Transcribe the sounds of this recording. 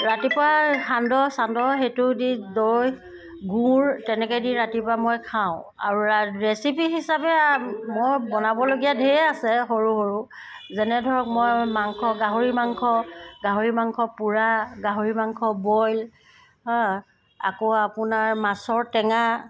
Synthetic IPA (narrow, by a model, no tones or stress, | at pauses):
ɹatipaxandɔsandɔxetʊdidoɹoj | ɡũɹtɛnɛkɔjdiɹatipamojkʰaʊ̃a̰ɹuaɹɛsipiɦisapɛmojbɔnabɔloɡijadʱeɛasɛxoɹuɦoɹu | zɛnɛdʱɔɹɔk̚mɔjmaŋkʰɔɡaɦoɹimaŋkʰɔɡaɦoɹimaŋkʰɔpuɹaɡaɦoɹimaŋkʰɔbɔjl | a̰koapʊnaɹmasɔɹtɛŋa